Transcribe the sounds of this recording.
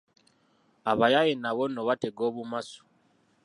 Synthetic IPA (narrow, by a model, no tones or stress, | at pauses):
aβajajenaβono̞βate̞ɡoːβumasu̥